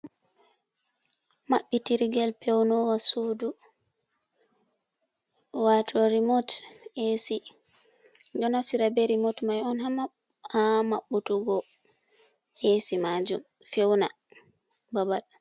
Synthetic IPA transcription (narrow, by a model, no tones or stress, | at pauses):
maɓːitiɾɡɛlpɛwnɔwasudu | watʰoɾimɔtesi | dɔnaftiɾabeɾimotmajɔnhamahama̰ɓːutuɡɔ | ʔesimad͡ʒṵmfewna | babaɗ